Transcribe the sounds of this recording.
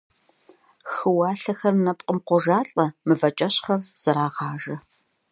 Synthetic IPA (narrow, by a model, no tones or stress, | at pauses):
xɨwɑːɬɐxɐrnɐpʼqʼəmqʷɔʒaːɬʼɐmɨvɐt͡ʃʼɐɕχɐrz̥ɐɾaːʁɑːʒɐ